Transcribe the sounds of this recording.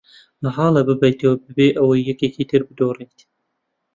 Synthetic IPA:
lɐɦɑːlɐbɨbɐjt̪ɐwɐbɨbeːʔɐwɐjːɛkeːkiːt̪ʰɨɾbɨd̪oːriːt̪

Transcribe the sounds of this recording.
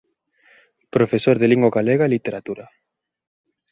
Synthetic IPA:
pɾofesoɾðeliŋɡwoɣaleɣaelit̪eɾat̪uɾa

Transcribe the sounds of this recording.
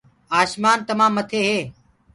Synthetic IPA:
aːʃmaːnt̪əmãːmːət̪ʰeːɦeː

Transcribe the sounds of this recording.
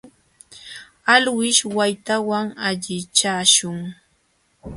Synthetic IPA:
alwɪʃwajt̪awaŋaʎɪt͡ʃaːʃʊŋ

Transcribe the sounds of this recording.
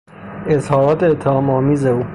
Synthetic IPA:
ezhɒːɾɒːt̪eet̪ʰːehɒːmɒːmiːzeuː

